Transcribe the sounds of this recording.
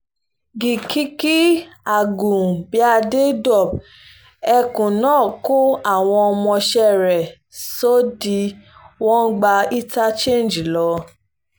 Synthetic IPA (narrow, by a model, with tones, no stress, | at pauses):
ɡi˨ki˦ki˦a˨ɡũ˨bi˨˦a˦˧de˦dɔ˦˨b̚ | ɛ˧kũ˨nãː˦˨ko˦a˦˨w̃ɔ̃˧ɔ˧mɔ̃˧ʃɛ˦ɾɛ˨ | so˦di˧wɔ̃˦ɡ͡ba˧i˦ta˦t͡ʃẽ˦˨n˨d͡ʒi˨lɔ˨˧˦